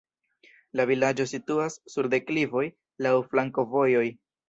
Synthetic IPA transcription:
lavilad͡ʒo̞situasːuɾde̞klivo̞j | lawflaŋko̞vo̞jo̞j

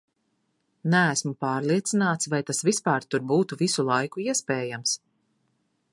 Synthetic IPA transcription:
næːsmupaːɾlˠiɛt̪sinaːt̪svajt̪asvispaːɾt̪uɾbuːt̪uvisulˠajkuiɛspɛːjams

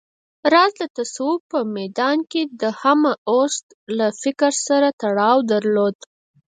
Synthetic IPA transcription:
ɾɑzd̪ət̪asupəmɛd̪ɑnked̪əhamaʔost̪ | lafɪkɾsaɾat̪aɽɑwd̪aɾlod̪

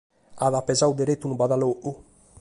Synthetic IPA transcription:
aðapezawd̪eɾet̪unubaðaloʔu

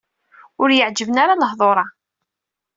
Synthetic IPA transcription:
ʊɾjəʕd͡ʒəvənaɾaləhðˤoɾˤɑ

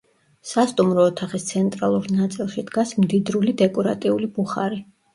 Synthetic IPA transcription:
sast̪ʼumɾɔːt̪ʰaχist̪sʰɛnt̪ʼɾalˠuɾnat̪sʼilˠʃid̪ɡasmd̪id̪ɾulid̪ɛkʼɔɾa̰t̪ʼiulibuχa̰ɾi

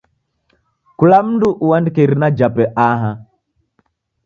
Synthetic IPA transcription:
kulamnduʔuwandkeɾnad͡ʒapeʔaɦa

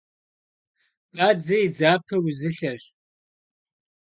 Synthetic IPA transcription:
qaːd͡zɐid͡zaːpʰɐwzɨɬɐɕʼ

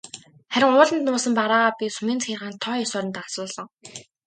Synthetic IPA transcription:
χæɾʲɪ̆ŋʊːɮə̆nt̪nʊːsə̆mpaɾaːapʲisumiːnt͡sxiːrʁaːnt̪ʰːɔjɔsɔːɾə̆nt̪asʊːɮɞ̆ŋ

